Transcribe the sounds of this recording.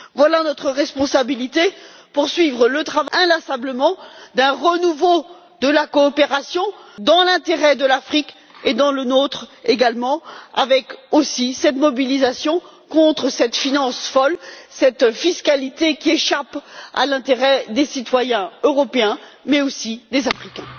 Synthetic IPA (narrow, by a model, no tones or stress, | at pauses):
vwalanɔt̪χəʁɛspɔ̃sabilit̪e | puʁsɥivʁələt̪χavɛ̃lasabləmɑ̃d̪ɛ̃ʁənuvo | d̪əlakɔːpeʁasjɔ̃d̪ɑ̃lɛ̃t̪eʁɛd̪əlafχik | ed̪ɑ̃lənot̪χeɡalmɑ̃avɛkosisɛt̪mɔbilizasjɔ̃ | kɔ̃t̪χəsɛt̪finɑ̃sfɔlsɛt̪fiskalit̪ekʲieʃapa̰lɛ̃t̪eʁɛd̪esit̪wajɛ̃øʁɔpeɛ̃mɛosid̪ezafχikʲɛ̃